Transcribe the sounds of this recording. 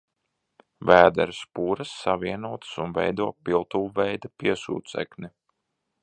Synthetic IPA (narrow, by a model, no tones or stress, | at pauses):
væːd̪ɛɾspuːɾasːaviɛnuɔt̪sunvɛ̰jd̪uɔpilˠt̪ulvɛjd̪apiɛsṵːt̪sɛ̰kni